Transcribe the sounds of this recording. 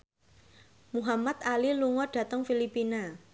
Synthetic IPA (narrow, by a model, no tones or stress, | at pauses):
muɦamat̪̚aliluŋɔɖ̥ä̤t̪əŋfilipina